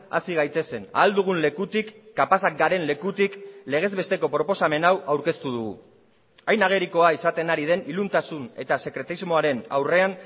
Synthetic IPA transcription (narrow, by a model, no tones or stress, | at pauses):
a̰siɣ̞ajt̪e̞se̞na̰ːld̪uɣ̞unle̞kut̪ikːapasak̚ɡaɾe̞nle̞kut̪ikle̞ɣ̞e̞zβe̞st̪e̞ko̞pɾo̞po̞same̞nawawɾke̞st̪uðuɣṵ | ajnaɣ̞e̞ɾiko̞aisat̪e̞naɾið̞e̞nilunt̪asune̞t̪ase̞kɾe̞t̪aizmo̞aɾe̞na̰wre̞an